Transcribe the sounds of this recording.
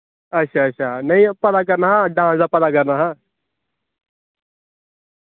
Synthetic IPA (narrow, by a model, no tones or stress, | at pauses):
ɐɕʰaɐɕʰaːnɐĩpɐd̪ak̬ɐɾnaɦaɖãːsd̪apɐd̪akɐɾnaɦa